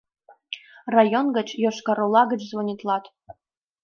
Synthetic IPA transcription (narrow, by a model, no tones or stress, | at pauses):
rajonɡə̆t͡ɕjoʃkɑɾolˠɑɡə̆t͡ɕzvonʲit̪lˠɑt̪